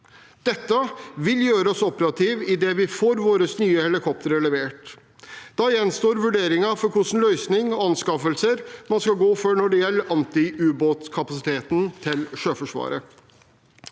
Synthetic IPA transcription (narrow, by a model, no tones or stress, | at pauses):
d̪̥ɛt̪ːəʋɪljøːɾəɔsɔpəɾɑt̪ʰiːʋɪd̪ɛʋɪfoːɾʋoːɾəsnyːəhɛlɪkʰɔp̚t̪əɾɛləʋeːʈ | d̪̥ɑjɛnst̪oːɾʋʉɖeːɾɪŋɑfɔɾkʰʊʂn̩lœʏsnɪŋɔɑnskɑfəlsəɾmɑnskɑlɡoːfɔɳɔɖɛjɛlːəʔɑnt̪ɪʉːboːt̪kʰɑpɑsɪt̪ʰeːt̪nt̪ʰɪlʂøːfɔʂʋɑ̰ːɾə